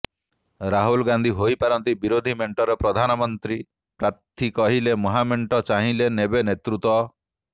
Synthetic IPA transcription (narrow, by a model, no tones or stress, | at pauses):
ɾaɦulɡand̪ʱiɦojpaɾɔnt̪ibiɾod̪ʱimeɳʈɔɾepɾɔd̪ʱanɔmɔnt̪ɾi | pɾat̪ʰːikɔɦilemɔɦameɳʈɔt͡ʃaɦĩlenebenet̪ɾut̪ɔ